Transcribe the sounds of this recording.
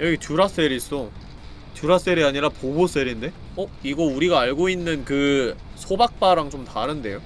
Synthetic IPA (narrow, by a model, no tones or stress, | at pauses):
jʌɡit͡ɕuɾas͈eɾis͈o | t͡ɕjuɾas͈eɾiaɲiɾapobos͈e̞ɾinde̞ | ʌiɡʌuɾiɡaːɭɡoinːɯnkɯsʰobak̚p͈aɾaŋt͡ɕomtaɾɯnde̞jo